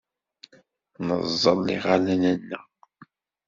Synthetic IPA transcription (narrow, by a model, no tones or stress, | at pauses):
nəzˤːəlːḭʁalænənːə